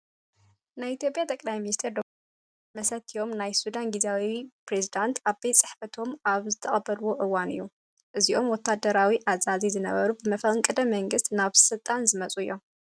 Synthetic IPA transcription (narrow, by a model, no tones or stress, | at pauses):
najit̪ʰjo̞pʼjat̪ʼɐkʼlajminist̪ʰeɾd̪o | mɐsɐt̪ʰio̞mnajsud̪anɡizawipɾezid̪ant̪abet͡sʼɨħfɐt̪ʰo̞maβzɨt̪ʰɐχʼɐbɐlwo̞ʔɨwːanɨ̰jːu | ʔɨziʔo̞mwɔt̪ʰːad̪ɐɾawiʔazazizɨnɐ̰βɐ̰ɾubɨmɐfɐŋkʼɨd̪ɐmɐŋɡɨst̪naβsɨlt̪ʼanzɨmɐt͡sʼuɨjːom